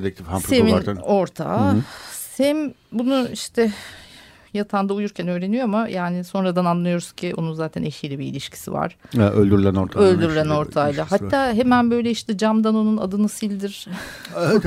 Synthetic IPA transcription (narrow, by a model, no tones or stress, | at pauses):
d̪ɛk̚t̪ʰifhamsemino̞ɾt̪ʰa̰ːsɛn | bunuiʃt̪ʰɛ | jat̪ʰand̪aujuɾcʰænø̞ːɾe̞nijo̞amajaːnɪso̞nɾad̪ananlːˠɯjo̞ɾuscʰiʔo̞̰nunzaːt̪ʰæneʃijlʲɛbḭːlʲiʃcʰi̥sḭva̰ɾ̥ɛølʲd̪yɾlʲænoɾt̪ʰaølʲd̪yɾylʲæno̞ɾt̪ʰaːjlˠaɦat̪ːaːɦe̞mænbø̞jlʲɛiʃt̪ɛd͡ʒamd̪ano̞nuna̰d̪ɯnɯsilʲd̪iɾ̥